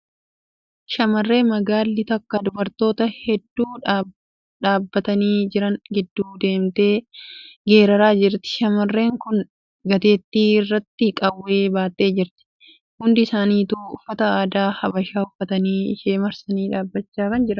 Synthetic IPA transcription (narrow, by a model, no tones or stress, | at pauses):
ʃɐmɐrːe̞ːmɐɡaːlːɪt̪ɐkːɐd̪ʊbɐɾt̪o̞ːt̪ɐhɛd̪ːuːᶑ | ᶑaːbːɐt̪ɐniːd͡ʒɪɾɐŋɡɪd̪ːuːd̪e̞ːmt̪e̞ːɡe̞ːɾɐɾaːd͡ʒɪɾt̪ɪ̥ʃɐmɐrːe̞ːŋkʊn | ɡɐt̪e̞ːt̪ːiːɪrːɐt̪ːɪkʼɐwːe̞ːbaːt̪ʼːe̞ːd͡ʒɪɾt̪ɪ̥ | hʊnd̪ɪsaːniːt̪uːʊfːɐt̪ɐaːd̪aːhɐbɐʃaːʊfːɐt̪ɐniːɪ̰ʃe̞ːmɐɾsɐniːᶑaːbːɐt͡ʃːaːkɐnd͡ʒɪɾɐ